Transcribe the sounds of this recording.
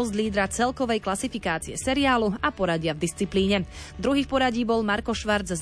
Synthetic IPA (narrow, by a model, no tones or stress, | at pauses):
ɔzd̪liːd̪ɾat͡sɛlkɔʋɛjklasifikaːt͡siɛ̰sɛɾiaːluapɔɾaɟɪavd̪ist͡sipliːɲɛ | d̪ɾuɦiːxpɔɾaɟiːbɔlmaɾkɔʃʋaɾd͡zz